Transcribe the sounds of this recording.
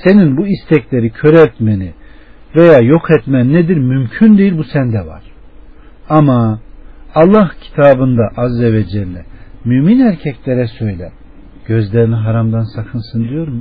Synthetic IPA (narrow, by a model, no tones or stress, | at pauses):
se̞ninbuist̪ʰɛclʲe̞ɾicʰø̞ɾɛɾt̪meni | ve̞jaːjo̞kʰɛt̪mænːed̪iɾmymcʰynd̪ejilʲbusænd̪ɛva̰ɾ̥ | amaː | lˠːahcʰi̥t̪ʰaːbɯnd̪aʔazːeved͡ʒɛɾlʲɛmyːminæɾcʰɛclʲeɾɛsø̞jlʲɛ | ɟ̥ø̞zlʲeɾiniɦaɾamd̪ansakʰɯnsɯnd̪ijo̞ɾm